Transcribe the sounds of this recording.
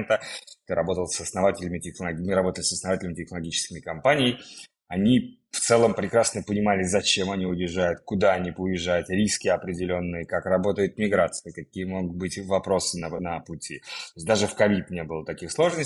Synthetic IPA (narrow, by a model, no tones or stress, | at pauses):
nt̪ət̪ɨɾɐbo̞t̪əlˠsəsnɐvatʲɪlʲɪmʲɪtʲɪxnəlˠɐiɾɐbo̞t̪əlʲɪsəsnɐvatʲɪlʲɪmɪtʲɪxnəlˠɐɡʲit͡ɕɪ̥skʲɪmʲɪkɐmpanʲɪjj | ɐnʲi | ft̪sɛlˠəmpɾʲɪkɾasnəpənʲɪmalʲɪzɐt͡ɕe̞mɐnʲiʊjɪʐːajʊt̪̚kʊd̪aɐnʲipʊjɪʐːajʊt̪ɾʲiskʲɪɐpɾʲɪdʲɪlʲonːɨjəkakrɐbo̞t̪əjɪt̪̚mʲɪɡɾat̪sɨjəkɐkʲijəmo̞ɡʊt̪̚bɨtʲvɐpɾo̞sɨnənəpʊtʲit̪oɪsʲd̪aʐɨfkɐvʲit̪nʲe̞bɨlˠət̪ɐkʲixslˠo̞ʐnə